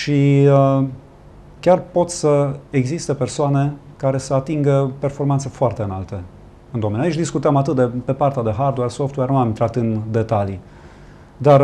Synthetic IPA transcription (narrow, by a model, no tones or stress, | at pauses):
ʃi | kʲarpo̞t̪səeɡzist̪e̞pe̞rsoane̞ | kaɾe̞səat̪iŋɡəpe̞rfo̞rmant̪se̞foart̪e̞ɨnalt̪e | ɨnd̪omenʲjait͡ʃʲd̪iskut̪eamat̪ɨt̪̚d̪epe̞part̪ead̪e̞ɦard̪wersoft̪wernuamint̪ɾat̪ɨnd̪e̞t̪ali | d̪ar